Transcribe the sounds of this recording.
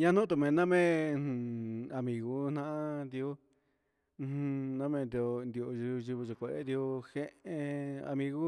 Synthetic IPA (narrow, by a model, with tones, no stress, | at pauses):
ɲã˦nũ˦t̪u˧˨mẽ˨˧nã˦mẽ˦˧ | a˧mĩ˧ɣu˧˦n̥nã˦ʔa˦t̪i˧õ˦˧ | hũ˧nã˦mẽ˧nd̪i˧o˧nd̪i˧o˧ʒu˧ʒu˧βi˧ʒo˧kʷe˧˨ḛ˦t̪i˧o˧he˦ʔẽ˧a̰˧mĩ˧ɣu˦